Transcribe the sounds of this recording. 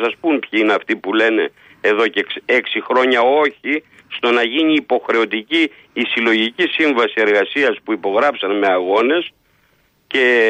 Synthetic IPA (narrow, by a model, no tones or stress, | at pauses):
sɐspumpçiineɐft̪ipule̞ne̞ | eðo̞ceke̞ksixɾo̞ɲɐo̞çi | st̪o̞nɐʝiɲiːpo̞xɾe̞o̞t̪iciː | silo̞ʝicisiɱvɐsie̞ɾɣɐsiɐspuipo̞ɣɾɐpsɐnme̞ɐɣo̞ne̞s | ce̞